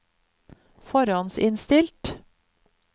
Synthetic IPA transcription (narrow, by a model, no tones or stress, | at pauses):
fɔɾɑnsɪnst̪ɪlt̪